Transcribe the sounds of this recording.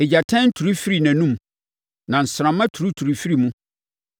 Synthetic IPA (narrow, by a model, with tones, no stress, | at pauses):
e˨d͡ʑa˨tʰɛ̃˦n̩˦tʰu˨ɾu˦fi˦ɾi˦˨næ̃˨nũ˦m | nã˨n̩˨sɾã˨mã˦tʰu˨ɾu˦tʰu˨ɾu˨fi˦ɾi˨mũ˦